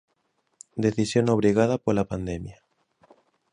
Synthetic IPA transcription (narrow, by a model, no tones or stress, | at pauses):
d̪eθisjonoβ̞ɾiɣaðapolapand̪emja